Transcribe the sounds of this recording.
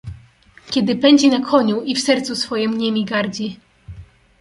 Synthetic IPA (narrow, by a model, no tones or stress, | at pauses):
kʲɛd̪ɘpɛɲd͡ʑinakʰɔɲuʔifsɛɾt̪susfɔjɛmɲemʲiɡaɾd͡ʑi